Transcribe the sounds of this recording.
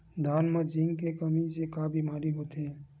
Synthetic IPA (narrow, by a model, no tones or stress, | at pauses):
d̪ʱaːnmãd͡ʒiŋkekəmisekaːbʱimaːɾiɦoːt̪eː